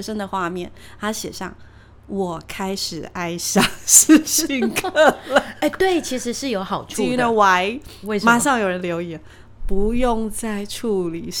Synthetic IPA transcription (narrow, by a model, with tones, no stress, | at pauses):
ʂə˥ŋd̪ə˨xwa˥˧mjɛ˥˩nt̪a˥ɕjɛ̰˨˩ʂɑ̰˥˩ŋ | wɔ˨˩kʰa˥ɪʂɻ̩˨˩a˥ɪsɑ˥ŋs̩˥˧˩ɕi˥˧ŋkʰə˥˩lə˨˩e˥˧t̪we˥˩ɪt͡ɕʰi˧˥ʂɻ̩˧˥ʂɻ̩˥˩jo˧˥ʊxɑ˨˩ʊʈ͡ʂʰu˥˧nə˧wa˧˥ɪ˧ma˨˩ʂɑ˥˩ŋjo˨˩ʊɻə˧˦nljo˧˥ʊjɛ˧˩˦ | pu˧˦jʊ˥˧ŋt͡sa˥˧ɪʈ͡ʂʰu˥˩li˨˩